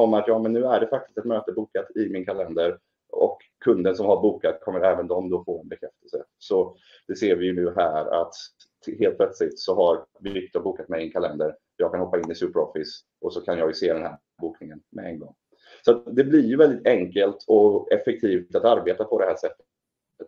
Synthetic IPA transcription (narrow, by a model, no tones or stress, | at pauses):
ɔmːat̪jɑːmɛnːʉ̟ːæɖɛfak̚t̪ɪst̪ɛt̪møːt̪əbuːkat̪ɪmɪnkʰalɛnd̪əɾ | ɔ̰kʰːɵnd̪ənsɔmhaɾbuːkat̪kʰɔmːəɾɛːvənd̪ɔmd̪ofoːɛnbɛkʰɾɛft̪əlsə̰sɔ | d̪̥ɛseːɾvɪjɵnʉ̟ːɦæːɾa̰t̪ | ɦeːlt̪̚pʰlœt̪slɪt̪sɔhaɾbɪʏkt̪ɔbuːkat̪mɛjɪɪnkʰalɛnd̪əɾ | jɑːɡkʰanhɔpːaɪnːɪsʉːpəɾɔfɪs | ɔsɔkʰanjɑːɡjɵseːd̪ɛnhæː | buːknɪŋənmɛ̰ɛ̰nɡɔ̰ŋː | sɔat̪d̪ɛblɪɾjɵvɛld̪ɪt̪ɛŋkəlt̪ʰɔɛfɛk̚t̪ʰiːft̪at̪aɾbeːt̪apʰɔd̪ɛhæːʂɛt̪ː | ət̪